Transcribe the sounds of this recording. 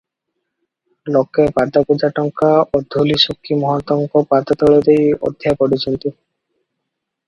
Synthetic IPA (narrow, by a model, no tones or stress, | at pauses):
lɔkepad̪ɔpud͡ʒaʈɔŋkaod̪ʱulisukʰːimɔɦɔt̪ɔŋkɔpat̪ɔt̪ɔɭɔd̪ejɔ̰d̪ʱjapɔɽit͡ʃʰɔnt̪i